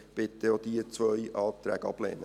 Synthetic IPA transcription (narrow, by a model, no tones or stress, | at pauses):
b̥ɪt̪ːəoːd̪iːt͡svœʏʔɑːp̚t̪ɾɛ̰ːɡ̥ɑ̰b̥lḛːnə